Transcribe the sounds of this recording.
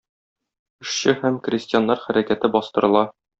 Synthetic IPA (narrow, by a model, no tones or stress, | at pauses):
ɘ̆ʃɕɘhæmkrʲɪsʲtʲɪjanːɑɾχæɾækæt̪ɘbɒst̪ɤ̆ɾɤ̆lˠɑ